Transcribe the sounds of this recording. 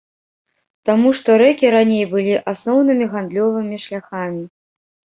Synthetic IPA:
t̪amuʂt̪ɔɾɛkʲiɾanʲejbɨlʲiʔasnɔwnɨmʲiɣand̪lʲɔvɨmʲiʂlʲaxamʲi

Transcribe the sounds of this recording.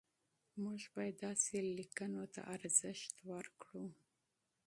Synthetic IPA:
muʒbɑjad̪ːɑselikənot̪a̰ʔaɾz̥əʃt̪wəɾkɽu

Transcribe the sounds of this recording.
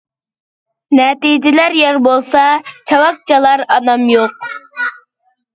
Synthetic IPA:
nɛt̪id͡ʒɪlæɾjɑɾbolˠsɑt͡ʃʰɑwɑk̚t͡ʃʰɑlˠɑɾɑnɑmjoq̚

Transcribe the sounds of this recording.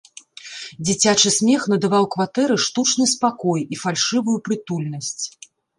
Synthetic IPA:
d͡zʲit͡sʲat͡ʂɨsʲmʲɛxnɐd̪avawkvat̪ɛɾɨʂt̪ut͡ʂn̪ɨspakɔjifalʲʂɨvujupɾɨt̪ulʲnɐsʲt͡sʲ

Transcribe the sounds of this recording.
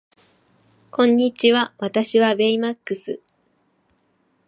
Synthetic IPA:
kõ̞ɲ̟ːit͡ɕiβaβat̪aɕiβabe̞imakːɯsɨ

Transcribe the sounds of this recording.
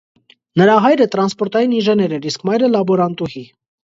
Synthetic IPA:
nəɾɑɦɑjɾət̪ɾɑnspɔɾt̪ɑjiniʒɛnɛɾɛɾiskmɑjɾəlɑbɔɾɑnt̪uhi

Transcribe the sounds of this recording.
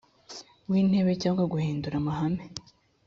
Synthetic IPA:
wiːn̥he̞βecaːŋɡwaɡuhiːnduɾamahame

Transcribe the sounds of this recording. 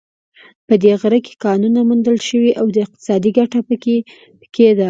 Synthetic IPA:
pəd̪eɣɾəke̥kɑnunamund̪əlʃəwiʔawd̪əɪq̚t̪ɪ̥sɑd̪iɡaʈapəke | pə̥ked̪a

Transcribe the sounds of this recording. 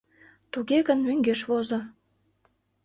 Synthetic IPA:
t̪uɣeɣənmyŋɡeʃβozo

